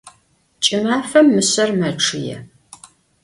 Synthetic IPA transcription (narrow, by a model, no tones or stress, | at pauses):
t͡ʃʼɪmaːfɐmːɨsɐrmɐʈ͡ʂʰɨjɛ̰